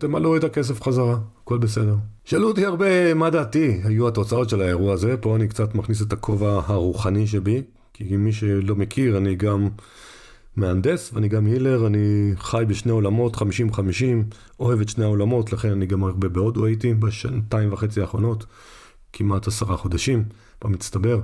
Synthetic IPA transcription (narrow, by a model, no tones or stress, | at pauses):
te̞maluetakes̬efχazaʁaːko̞lbese̞deʁ | ʃalutiaʁbe̞madaːtihajuato̞t͡sao̞tʃe̞lae̞ʁuaːze̞po̞anikt͡satmaχnis̬etakʰo̞vahaʁuχaniʃ̬ebi | kʰimːiʃe̞lo̞mekʰiʁaniɡamː | eand̪e̞sveaniɡamhile̞ʁaniχajbeʃne̞o̞lamo̞tχamiʃimχamiʃim | o̞he̞vetʃneao̞lamo̞tlaχe̞naniɡamaʁbe̞beo̞d̪uajitibeʃantaimvaχe̞t͡siaːχʁo̞no̞t | kʰimathasaʁaχo̞d̪aʃim | pomist̪abe̞ʁ